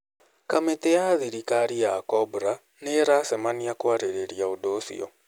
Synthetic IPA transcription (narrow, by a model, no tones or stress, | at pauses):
kameteaðiɾikaɾiakɔbuɾa | neɾasɛmaniakwaɾeɾeɾiaodosḭɔ̰